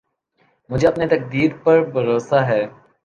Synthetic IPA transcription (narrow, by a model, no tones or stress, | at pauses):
mʊd͡ʒʱeɐpnet̪ɐk̚d̪iːɾ̚pɐɾbɐɾoːsaɦɛː